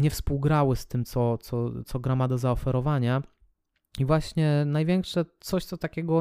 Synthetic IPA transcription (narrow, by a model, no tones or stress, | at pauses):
ɲɛfspuwɡɾawɘst̪ɘmt̪sɔt̪sɔt̪sɔɡɾamad̪ɔzaɔfɛɾɔvaɲa | ivwaɕɲɛnajvʲjɛŋkʂɛt̪sɔɕt̪sɔt̪akʲɛɡɔ